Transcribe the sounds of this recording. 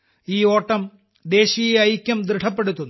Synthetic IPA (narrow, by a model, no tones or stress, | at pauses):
iːo̞ːʈːɐm | d̪e̞ːɕijeɐjkʲːɐmd̪ɾɨʈʰɐpːe̞ɽut̪ːunː